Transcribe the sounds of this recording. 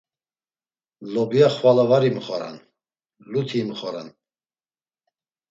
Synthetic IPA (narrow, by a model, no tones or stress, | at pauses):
lɔbiaχvalavaɾiməχɔɾa̰n | lut̪ʰiməχɔɾa̰n